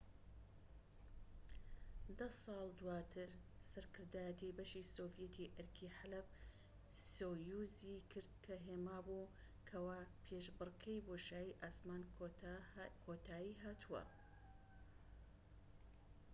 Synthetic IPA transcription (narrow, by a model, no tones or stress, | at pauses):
d̪ɐsˤɑːlˠd̪uwaːt̪ʰɨɾsɐɾkʰɨɾd̪aːjɐt̪ibɐʃiːsoːfjɛt̪ʰiʔɐɾkʰiːħalɐb | soːjuːziːkʰɨɾd̪̚kʰɐɦeːmaːbuː | kʰɐwaːpʰeːʃbɨrkʰɐjboʃaːjiʔaːsmaːn | kʰot̪ʰaːjiːɦaːt̪ʰuwɐ̰